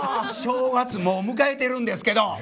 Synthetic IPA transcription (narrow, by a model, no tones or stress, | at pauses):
ɕoːɡat͡sɨmomɯ̟k̬ae̞t̪e̞ɾɯ̟̃nd̪e̞sɨ̥ke̞d̪o̞